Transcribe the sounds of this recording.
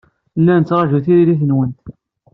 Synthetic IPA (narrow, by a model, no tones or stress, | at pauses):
lːænət͡sːɾˤɑʒuθiɾiliθənwənt̪